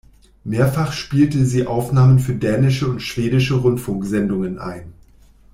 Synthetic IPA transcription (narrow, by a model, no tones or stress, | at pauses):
meːɐfaχʃpiːltəziːʔaʊfnaːmənfyːɐdɛːnɪʃəʊntʃv̥eːdɪʃəʁʊntfʊŋkz̥ɛndʊŋənʔa̰ɪn